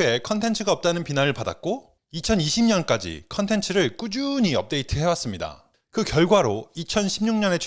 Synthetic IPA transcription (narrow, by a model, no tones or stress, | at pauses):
e̞kʰʌntʰe̞nt͡ɕʰɯɡaʌp̚t͈anɯnpinaɾɯɭpada̰k̚k͈o | it͡ɕʰʌniɕʰimɲʌnk͈ad͡ʑḭkʰʌntʰe̞nt͡ɕʰɯɾɯɭk͈ud͡ʑuɲiʌp̚t͈e̞itʰɯɦe̞was͈ɯmɲida̰ | kɯkjʌɭɡwaɾoit͡ɕʰʌnɕʰimɲuŋɲʌne̞t͡ɕʰ